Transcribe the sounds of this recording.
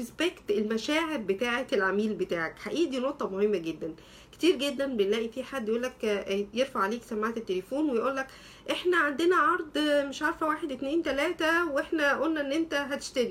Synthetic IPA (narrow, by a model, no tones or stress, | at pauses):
esbekt̪elmæʃæːʕeɾbet̪aːʕet̪elʕamiːlbet̪aːʕakħaʔiːʔd̪iːnoʔt̪ˤːɑmohemːæɡed̪ːæn | ke̥t̪iːɾɡed̪ːænbenlæːʔifiːħad̪ːjʔuːlːækjeɾfaʕaleːksæmːaːt̪et̪ːelefoːnwejʔuːlːæk | ʔeħnæʕand̪enæʕɑɾˤd̪ˤmeʃʕɑɾˤfæwaːħed̪ʔet̪neːnt̪ælæːt̪æweħnæʔolnæʔenːʔent̪æɦæt̪e̥ʃt̪æɾi